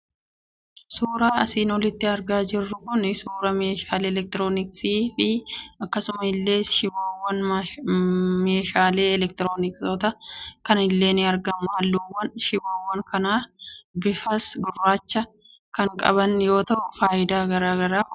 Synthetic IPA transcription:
suːɾaːɐsiːnɔlɪt̪ːɪɐɾɡaːd͡ʒɪrːʊkʊnsuːɾɐmeːʃaːleːlɛk̚t̪ɪɾoːnɪksiːfɪɐkːɐsʊmɐɪlːe̞ːʃɪwaːwːɐn | meːʃaːle̞ːɛlɛk̚t̪ɪɾoːnɪksoːt̪ɐkɐnɪlːe̞ːnɪɐɾɡɐmʊaːlːuwːɐnʃɪwaːwːɐŋkɐnaːbɪfɐsɡʊrːaːt͡ʃːɐ | kɐŋkʼɐ̰βɐnjo̞ːt̪ɐʔʊfaːjɪd̪aːɡɐɾaːɡɐɾaː

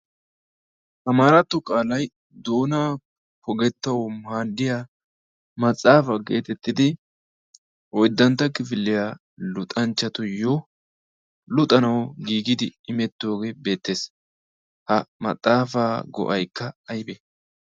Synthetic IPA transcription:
ʔɐmaːɾɐt̪ːʊkʼaːlɐj | d̪oːnaː | pɔɡɛt̪ːɐwmaːd̪ːɪja | mɐt͡sʼaːfɐɡe̞ːt̪ɛt̪ːɪd̪ɪ | ʔɔjd̪ːɐnt̪ːɐkɪfɪlːɪjaː | lʊt̪ʼɐnt͡ʃːɐt̪ʊjɔ | lʊt̪ʼɐnɐwɡiːɡɪd̪ɪɪmɛt̪ːo̞ːɡeːbe̞ːt̪ːe̞ːs | hɐmɐ̰t͡sʼːaːfaːɡɔ̰ʔɐjkːɐːjbɛ

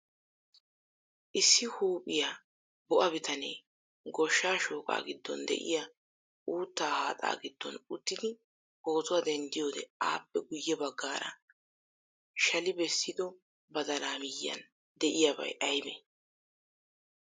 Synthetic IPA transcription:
ʔɪsːɪhuːpʼɪja | bɔʔɐbɪt̪ɐneː | ɡɔʃːaːʃo̞ːkʼa̰ːɡɪd̪ːɔ̰nd̪ɛ̰ʔɪ̰ja | ʔuːt̪ːaːhaːt̪ʼa̰ːɡɪd̪ːɔ̰nʊt̪ːɪd̪ɪ | o̞ːtʊwad̪ɛnd̪ɪjo̞ːd̪ɛ̰aːpːɛɡʊjːɛbɐɡːaːɾɐ̰ | ʃɐlɪbɛsːɪd̪ɔ | bɐd̪ɐlaːmɪjːɐ̰n | d̪ɛʔɪjabɐ̰jʔɐjbɛ̰ː

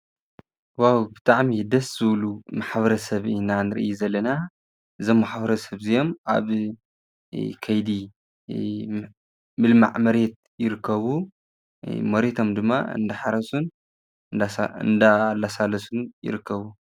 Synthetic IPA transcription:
wawbɨt̪ʰʼaʕmid̪ɐsz̥ɨβlumaħβɐɾɐsɐβɨnanɨɾɨjuzɐlːɐna | ʔɨzo̞mːaħbɐɾɐsɐβzijo̞mʔa̰β | kʰɐjd̪i | mɨlma̰ʕmɐɾet̪̚ | jɪɾɨkʰːɐβu | mɐɾet̪ʰo̞md̪ɨmːa̰ɨ̰nd̪ɐħaɾɐsun | ɨ̰nd̪alːasalɐsunjɪ̰ɾɨkːɐβu

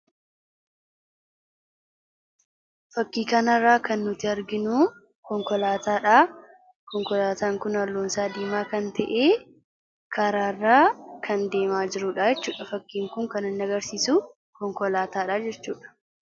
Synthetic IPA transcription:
fɐkːiːkɐnɐrːaːkɐnːʊt̪ɪɐɾɡɪnuː | kɔŋkɔlaːt̪aːᶑaː | kɔŋkɔlaːt̪aːŋkʊnɐlːoːnsaːd̪iːmaːkɐnt̪ɐʔeː | kʰɐɾaːrːaːkʰɐnd̪eːmaːd͡ʒɪɾuːᶑaːd͡ʒɛt͡ʃːuːᶑɐfɐkːiːŋkʊŋkɐnɐnːɐɡɐɾsiːsuː | kɔŋkɔlaːt̪aːᶑaːd͡ʒɛt͡ʃːuːᶑɐ̥

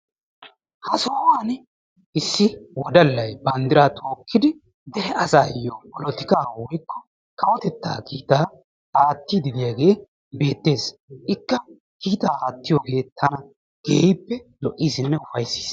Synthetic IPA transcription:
hɐsoːwaːn | ɪsːɪwɔd̪ɐlːɐjbɐnd̪ɪɾaːt̪ʰoːkʰːɪd̪ɪ | d̪ɛɾɛʔɐsaːjɔpɔlɔt̪ɪkaːwɔjkːɔ̥ | kɐwɔt̪ɛt̪ːa̰ːkiːt̪aː | aːt̪ːiːd̪ɪd̪ɪjaɡe̞ː | be̞ːt̪ːe̞ːsɪkːɐ | kiːt̪aːaːt̪ːɪjoːɡe̞ːt̪ʰɐnɐ | ɡ̥ḛːpːɛlɔʔːiːsɪnːɛʊfɐjsi̥ːs

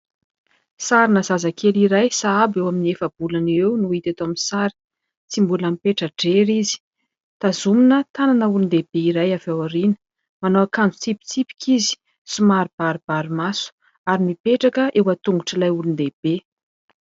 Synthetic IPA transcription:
saɾinəzazakʰeliɾajsaabewaminiefəb̥ulanewnuit̪at̪oaminsaɾi̥ | t͡simbulamipeʈ͡ʂəɖ͡ʐeɾizi̥ | t̪azuminət̪ananəulund̪eb̥eiɾajavewaɾinə̥ | manoakand͡zu̥t͡sipi̥t͡sipi̥kʰizi̥ | sumaɾib̥aɾib̥aɾimasu̥ | aɾimipeʈ͡ʂakəʔewat̪uŋɡuʈ͡ʂilajulund̪eb̥e

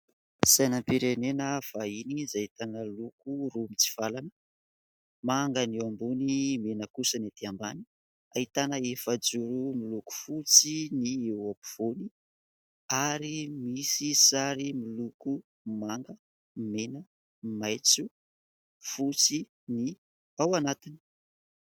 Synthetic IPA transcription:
sajnampiɾenenəv̥ainizait̪anəlukurumit͡si̥v̥alanə | maŋɡəniwambunimenəkusənat̪iambani̥ | ait̪anəefəd͡zuɾumiluku̥fut͡siniewapi̥v̥oni | aɾimisisaɾimiluku | maŋɡə | menə | majt͡su | fut͡si | ni | awanat̪ini̥

